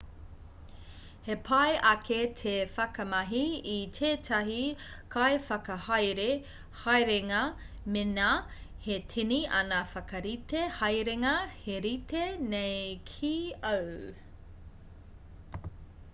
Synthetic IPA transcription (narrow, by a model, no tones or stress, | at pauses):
hepʰɐjʔɐkʰetʰefɐkɐmɐɦiitʰeːtʰɐɦikʰajfɐkɐhɐjɾe | hajɾeŋɐ | mena | hetʰiniɐ̰nɐfɐkɐɾit̪ehɐjɾeŋɐheɾit̪enejkʰiɐw